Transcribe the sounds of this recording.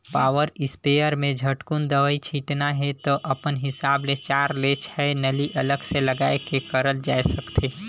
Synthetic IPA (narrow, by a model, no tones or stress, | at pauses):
paːwəɾɪspejəɾmẽd͡ʒʱəʈkund̪əʋəit͡ʃʰiːʈnaɦɛt̪oʔɐpənɦɪsaːblet͡ʃaːɾlet͡ʃʰɛenəliʔɐləɡseləɡaːekekəɾəld͡ʒaːesəkt̪ʰeː